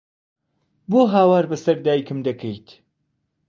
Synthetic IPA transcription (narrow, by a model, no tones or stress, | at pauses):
boːɦaːwaːɾbɐsɐɾd̪aːjikɨmd̪ɐkʰejt̪ʰ